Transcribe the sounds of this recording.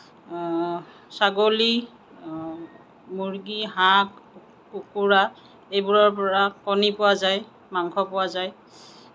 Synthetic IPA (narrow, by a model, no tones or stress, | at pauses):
saɡoli | muɹɡiɦakː | ukuɹa | ejbuɹɔɹpɔɹakɔnipʊwazaj | maŋkʰɔpʊwazaj